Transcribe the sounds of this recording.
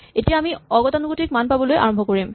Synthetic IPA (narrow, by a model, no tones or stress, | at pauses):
etijaamiɔɡɔtanuɡotik̚manpabɔlojʔa̰ɹɔmbʱɔkoɹim